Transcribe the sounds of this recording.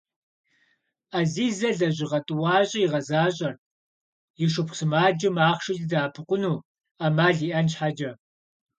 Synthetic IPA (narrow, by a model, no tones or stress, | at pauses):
aziːzɐɮɐʑɪʁɐtʼɨwɑːɕʼɪjiʁɐzaːɕʼɐr | jiʃʊpʰsɨmaːd͡ʒɪmaːχʃɪɮdaːpʰɨqʷʊnuː | amaːɮiːʔɐnʃħad͡ʒɐ